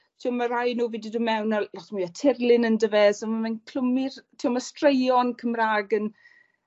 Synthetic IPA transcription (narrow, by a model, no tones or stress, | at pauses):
tʰiɔmaɾajnuːvididumɛwnalɔtmiatʰɪrlˠɪnəndəvɛzamamankʰl̥ʊmɪrtʰiːɔmastrejɔnkʰəmraːɡən